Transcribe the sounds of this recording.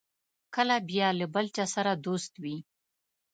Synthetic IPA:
kəlabjɑləbəlt͡ʃasaɾad̪ost̪wi

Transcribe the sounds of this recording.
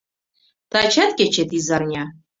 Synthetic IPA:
tʰat͡ʃʰatkʲat͡ʃʰet̪ʰizarnʲa

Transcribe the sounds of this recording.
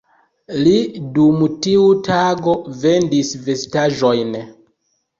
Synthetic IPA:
lidumtiutʰaɡo̞ve̞ndisve̞staʒo̞jn

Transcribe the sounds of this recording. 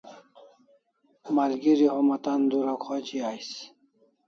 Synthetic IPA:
malɡiɾihomɐt̪and̪uɾakʰot͡ɕiajs

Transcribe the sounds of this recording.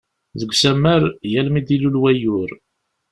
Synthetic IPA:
ðəɡʷsæmːæɾjælmid̪ilulwæjʊɾ

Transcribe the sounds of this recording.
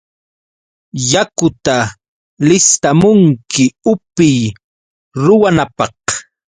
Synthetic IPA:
jakʊt̪a | lɪst̪amʊŋkɪʊpɪj | ɾʊwanapɑh

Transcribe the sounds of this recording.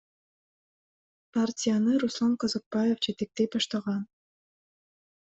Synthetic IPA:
partʲɪjanɯɾuslˠɑnqozɑk̚bajefd͡ʒet̪ek̚t̪ebɑʃt̪ɑʁɑn

